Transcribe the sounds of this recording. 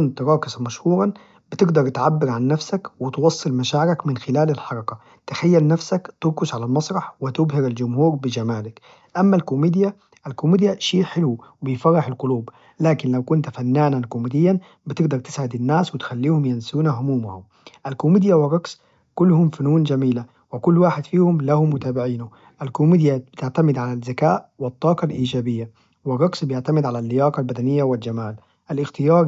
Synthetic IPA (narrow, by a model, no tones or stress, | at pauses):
kʊnt̪ɾˤɑːkɪsmaʃhuːɾɑn | bɪt̪ɪɡd̪ɑɾˤt̪ʕabːɪɾʕanːafsakwɪt̪wɑsˤːɨlmaʃaːʕɪɾakmɪnxɪlaːlalħɑɾˤɑka | t̪ɪxajːalnafsakt̪ʊɾkʊsʕalalmɑsˤɾˤɑħwɪt̪ʊbhɪɾald͡ʒʊmhuːɾbɪd͡ʒamaːlak | ʔamːalkʊmiːd̪ja | ʔalkʊmiːd̪jaʃiːħɪluwbɪjfɑɾˤːɑħalqʊluːb | laːkɪnlawkʊnt̪fanːaːnankʊmiːd̪ɪjːan | bɪt̪ɪɡd̪ɑɾˤt̪ɪ̥sʕɪd̪anːaːswɪt̪xalːiːhʊmjansuːnaɦʊmuːma̰hʊm | ʔalkʊmid̪jawɪrˤːɑɡs | kʊlːhʊmfanuːnd͡ʒamiːla | wɪkʊlːwaːħɪd̪fiːhʊmlahʊmːʊt̪aːbɪʕiːnu | ʔalkʊmiːd̪jab̥ɪt̪ɪʕt̪amɪd̪ʕalazːakaːʔwɪt̪ˤːɑːqɑlʔiːd͡ʒaːbɪjːa | wɪrˤːɑɡsbɪjɪʕt̪amɪd̪ʕalalːɪjɑːqɑlbad̪anɪjːawɪld͡ʒamaːl | ʔalʔɪxt̪ɪjɑːɾˤ